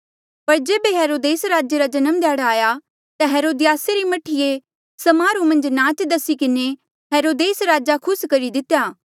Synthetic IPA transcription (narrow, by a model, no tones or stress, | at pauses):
pɐɾd͡ʒeːbeɦeːɾoːd̪eːsɾaːd͡ʒeɾad͡ʒɐnəmd̪jaːɽaaːja | t̪aɦeːɾoːd̪ɪjaːseɾimɐʈʰije | sɐmaːɾumɐ̃nd͡ʒnãːt͡ʃd̪ɐsikɪne | ɦeːɾoːd̪eːsɾaːd͡ʒakʰʊskɐɾid̪ɪt̪jaː